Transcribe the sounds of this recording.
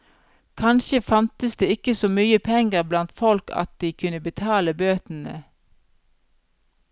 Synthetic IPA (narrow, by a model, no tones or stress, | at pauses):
kʰɑnʃəfɑnt̪əsd̪eːɪkəsoːmyːəpʰɛŋɡəʁblɑnt̪fɔlkʰɑ̰t̪̚d̪̥iːkʰʉnəbət̪ʰɑːləbøːt̪n̩ə̰